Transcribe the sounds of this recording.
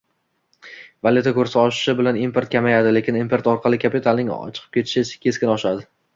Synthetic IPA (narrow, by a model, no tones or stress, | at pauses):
valʲut̪ʰakʰɵɾsɪɒʃɪ̥ʃɪbɪlanimpeɾt̪̚kʲʰamajad̪ɪle̞kʲʰɪnimpeɾt̪ɒɾqʰɑlˠɪkʲʰapit̪ʰalˠnɪŋɒ̰t͡ʃʰɨ̥qʰɨ̥pkʲʰe̞t̪ʰɪ̥ʃɪt͡ʃḁkʲʰe̞skʲɪnɒʃad̪ɪ